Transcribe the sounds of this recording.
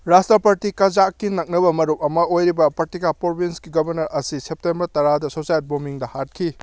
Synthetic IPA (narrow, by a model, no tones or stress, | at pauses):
ɾastɾɐpɐɾtikɐd͡ʒakːinɐk̚nɐbɐmɐɾup̚ɐmɐojɾibɐpɐktikapɾobinsɡiɡɐbɐɾnɐɾɐsisep̚tembɐɾtɐɾadɐsosajt̚bomiŋdɐhat̚kʰi